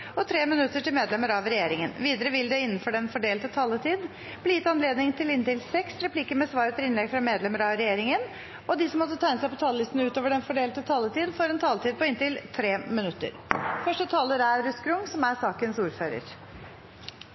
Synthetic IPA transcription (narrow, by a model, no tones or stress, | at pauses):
ɔt̪ʰɾeːmɪnʉt̪ːəʈɪlmeːd̪lɛməɾɑʋɾɛjeːɾɪŋənʋiːd̪əɾəʋɪld̪ɛɪnːənfɔɖɛnfɔɖeːlt̪ət̪ʰɑːlət̪ʰiːd̪ | b̥liːjɪt̪ːɑnleːd̪nɪŋt̪ʰɪlɪnt̪ɪlsɛksɾɛpʰliːkəɾmɛsʋɑːɾət̪ʰɪlɪnlɛɡfɾɑmeːd̪lɛməɾɑʋɾɛjeːɾɪŋən | ʔɔd̪ɪsɔmːɔt̪ːət̪ʰæɪnəsæɪpʰɔt̪ʰɑːləlɪst̪nʉːt̪oːʋəɖɛnfɔɖeːlt̪ət̪ʰɑːlət̪iːd̪foɾɛnt̪ʰɑːlət̪iːd̪̚pɔɪnt̪ɪlt̪ʰɾeːmɪnʉt̪ːə̰ɾfœʂʈət̪ʰɑːləɾæɾɾʉskʰɾʊŋsɔmæɾsɑːkənsuːɾføːɾə̰ɾ